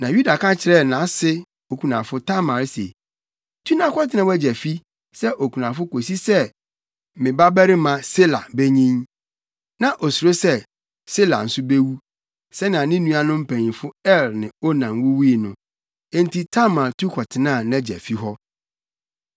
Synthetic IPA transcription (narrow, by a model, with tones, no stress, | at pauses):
nã˨ju˦da˨kʰã˦t͡ɕʰɪ˨ɾɛ˦˨nã˨˦sɪ˦ | o˨kʰu˨nã˨fʊ˦tʰa˦mã˨ɾse˨ | tʰu˦nã˦kʰɔ˦tʰɪ˨˦nã˦wɛ˦d͡ʑɛ˨fi˦ | sɛ˦ʔo˨kʰu˨nã˨fʊ˦ko˨s̬i˦sɛ˦ | mɪ̃˨ba˦bæ˦ɾɪ˦mã˨se˦la̰˨be˦ɲĩ˦n | nã˨ʔɔ˨su˨ɾo˦sɛ˦ | se˦la̰˨n̩˨sʊ˦be˦wu˦ | sɛ˦nã˨nɪ̃˦nũ˦a˨nʊ̃˦m̩˦pʰæ̃˨nĩ˨fʊ˦ɛ˦˨lnɪ̰̃˨o˦nã˨m˦wʊ˦wi˦i˨nʊ̃˦ | ɛ̃˦n˦ti˦tʰa˦mã˨ɾtʰu˦kʰɔ˨tʰɪ˨nã˦˨nɛ̃˦d͡ʑɛ̰˨fi˦ɦɔ˦